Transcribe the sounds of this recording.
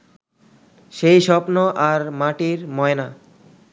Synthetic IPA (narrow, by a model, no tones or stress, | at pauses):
ʃejʃɔpnoʔaɾmaʈiɾmɔena